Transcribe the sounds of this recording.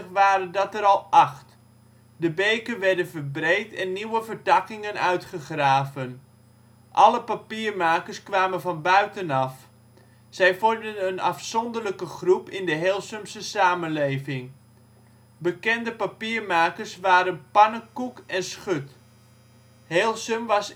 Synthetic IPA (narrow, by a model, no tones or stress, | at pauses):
əχʋaːɾəndɑtəɾɑlˠɑχt | dəbejkənʋɛɹdənvəɹbrejtɛnːiwəvəɹdɑkɪŋənœ̰ɥtχəχraːvən | ʔɑləpapiːɹmaːkəɹskʋaːmənvɑnbœɥtənɑf | sɛjfɔɹmdənənɑ̰fsɔndərləkəχrupɪndəɦeːlˠsəmsəsaːmənlejvɪŋ | bəkɛndəpapiːɹmaːkəɹsʋaːɾənpɑnəkukɛnsχøt | heːlˠsəmʋɑs